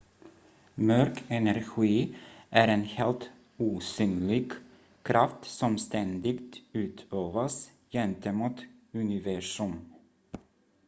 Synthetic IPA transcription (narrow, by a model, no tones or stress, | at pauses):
mœɾkʰɛnæɾɧiːʔæɾenheːlt̪ | uːsyːnlɪɡ | kʰɾaft̪sɔmst̪ɛnd̪ɪɡt̪ʉ̟ːt̪ʰøːvas | jɛnt̪əmuːt̪ɵnɪvæʂɵm